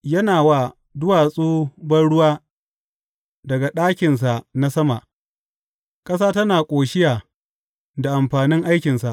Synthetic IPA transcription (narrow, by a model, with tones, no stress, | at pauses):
jɐ˦naː˨waː˦˨ | dʊ˦waː˨sʼoː˦bɐ˦nɽʊ˦waː˦ | dɐ˨ɡa˨ɗaː˦kʲɪ˨ns̬a˨ʔna˦sɐ˦ma̰˨ʔ | kʼɐ˦saː˦tɐ˦naː˨kʷʼoː˨ʃɪ˦jaː˨ | da˨ʔa˨mɸaː˨nɪ˦ŋʔa˦jkʲɪ˨nsa˨ʔ